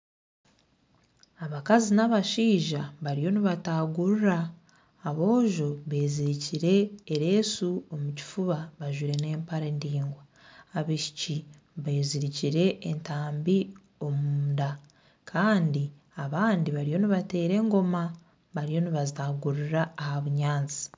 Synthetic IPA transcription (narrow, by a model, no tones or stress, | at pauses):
aβakazinaβaʃiːʒaβaɾijo̞niβataɡuɾuɾaː | βo̞ːʒo̞βe̞ːziɾiciɾe̞ːɾe̞ːsuo̞muci̥fuβaβaʒwiɾe̞ne̞ːmpaɾeːndiːŋɡwa | aβiʃi̥ci | βeːziɾiciɾe̞ːntaːmbi | o̞muunda | kʰaːndi | aβaːndiβaɾijo̞niβate̞ːɾe̞ːŋɡo̞ma | βaɾijo̞niβazitaɡuɾuɾaːhaβuɲaːnt͡si̥